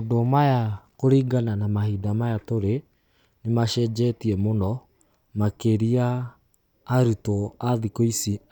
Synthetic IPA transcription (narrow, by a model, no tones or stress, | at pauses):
odomajakoɾiːɡananamahidamajatoɾe | nemaʃɛd͡ʒɛtiɛmonɔ | makeɾiaː | ɾutoaðikoisi